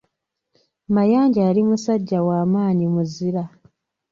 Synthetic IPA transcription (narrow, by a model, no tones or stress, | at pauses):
majaːɲɟaalimusaɟːawaːmaːɲimuziɾa